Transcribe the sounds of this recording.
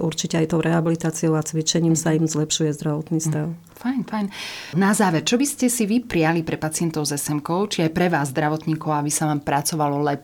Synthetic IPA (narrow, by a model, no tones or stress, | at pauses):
ʔuɾt͡ʃicɛajt̪ɔʊɾʔɛɦabilit̪aːt͡siɔʊat͡sʋit͡ʃɛɲiːmsaimzlɛpʃujɛzd̪ɾaʋɔt̪nist̪aʊ | fajnfajnnazaːʋɛɾt͡ʃɔbiscɛsiʋipɾialipɾɛpat͡sɪɛnt̪ɔʊzɛsɛmkɔʊt͡ʃiajpɾɛʋaːzːd̪ɾaʋɔt̪ɲiːkɔʊabisaʋaːmpɾat͡sɔʋalɔlɛp